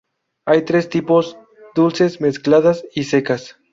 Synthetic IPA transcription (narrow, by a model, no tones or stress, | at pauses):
ajt̪ɾest̪ipoz | d̪ulsesmesklaðasisekas